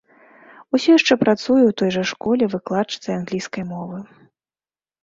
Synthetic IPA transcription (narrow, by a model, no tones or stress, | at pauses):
usʲɔjaʂt͡ʂɛpɾat̪sujɛwt̪ɔjʐɐʂkɔlʲɛvɨklˠat͡ʂɨ̥t̪sɐanɣlʲijskɐjmɔvɨ